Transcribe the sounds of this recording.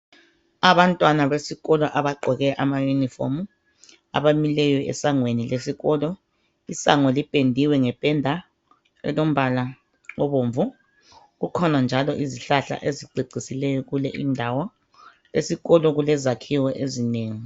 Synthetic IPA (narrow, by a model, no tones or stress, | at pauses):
aβantʼwanaβesiɣɔlɔʔaβaɡ͡ǃʱɔɣɛʔamajunifo̰m | a̰βamilɛjɔɛ̰saŋwenilesiɣɔlɔ | isaŋɔlipʼendʱiwɛŋɛb̥ʼʱɛndʱa | ɛ̰lom̩βala | ŋɔβoːɱvu | ɣukʰɔnand͡ʒʱalɔʔiziɬaɬa̰ʔeziǃʱiɡ͡ǀʱisilɛjɔɣulɛʔindʱawɔ | lesiɣɔlɔɣulɛzakʰiwɛʔezineːŋi